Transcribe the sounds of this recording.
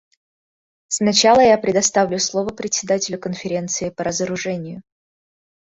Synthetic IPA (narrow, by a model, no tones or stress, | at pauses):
snɐt͡ɕalˠəjapɾʲɪd̪ɐst̪avlʲʊslˠovəpɾʲɪt̪ʲsʲɪd̪atʲɪlʲʊkənfʲɪɾʲe̞nt̪sɨɪpəɾəzəɾʊʐɛnʲɪjʊ